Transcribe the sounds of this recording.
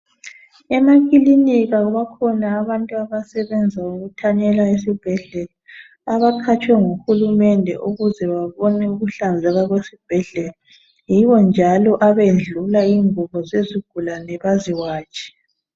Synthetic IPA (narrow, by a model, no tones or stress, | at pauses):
ɛmakʼiliniɣaɣuβakʰɔnaːβantʼuaβasɛβɛnd͡zʱauɣutʰaɲɛlaesib̥ʱɛɮɛlaː | βakʰat͡ʃʰʼwɛŋoxulumɛndʱɛ̰ʔuɣuzɛβaβɔnɛuɣuɬand͡zʱɛɣaɣwesib̥ʱɛɮɛla | jiβɔnd͡ʒʱalɔʔaβend͡ɮʱulaiŋʱuβɔzeziɡ̥ʱulanɛβaziwaːt͡ʃʰʼi̥